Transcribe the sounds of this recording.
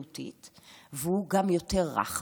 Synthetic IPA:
ut̪ḭt̪veuɡamjo̞teʁːa̰χ

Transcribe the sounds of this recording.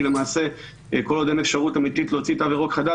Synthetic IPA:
ilemaːse̞ | ko̞lod̪emefʃaʁutamit̪it̪loot͡sitaveʁo̞kχad̪a

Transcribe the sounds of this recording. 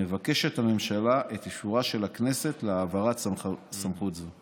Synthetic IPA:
evake̞ʃethame̞mʃalaʔet̪iʃuʁaʃe̞lakne̞setleaːvaʁatsamχutza

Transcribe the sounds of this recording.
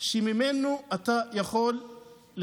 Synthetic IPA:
ʃemimenuʔatajaχo̞lː

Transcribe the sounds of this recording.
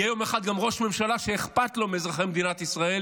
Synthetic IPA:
ejo̞meχad̪̚ɡamʁo̞ʃme̞mʃalaʃeːχpat̪lo̞mezʁaχemed̪inat̪isʁae̞l

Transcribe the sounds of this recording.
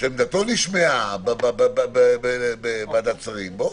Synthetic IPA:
ʃemd̪at̪oniʃmeababbbbeebebad̪at͡saʁimbo

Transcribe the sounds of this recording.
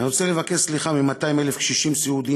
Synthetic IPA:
niʁo̞t͡sele̞vake̞sliχamimat̪aimelefʃiʃimsiud̪i

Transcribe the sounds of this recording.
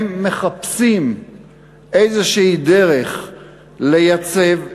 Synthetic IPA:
mːe̞χapsim | ʔejzeʃiid̪eʁeχ | lejat͡sev

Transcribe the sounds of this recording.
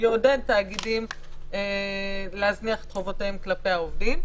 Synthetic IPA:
jodentaːɡidim | eleazniaχe̥t̪χovot̪aemklape̞jaovdim

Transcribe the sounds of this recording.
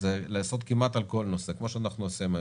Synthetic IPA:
zelaːso̞d̪kimat̪alko̞lno̞se̞kmo̞ʃeanaχnuosima

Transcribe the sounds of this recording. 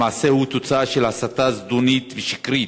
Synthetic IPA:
aːsehut̪ot͡saaʃelhasat̪azd̪unit̪veʃi̥kɾi

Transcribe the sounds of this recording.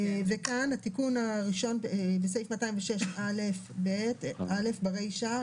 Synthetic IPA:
vekanhatikunaʁiʃo̞nebesaifmataĩmveʃe̞ʃʔalefbetʔale̞fbaʁejʃa

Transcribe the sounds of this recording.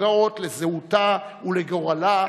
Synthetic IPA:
aotlezeutauleɡo̞ʁala

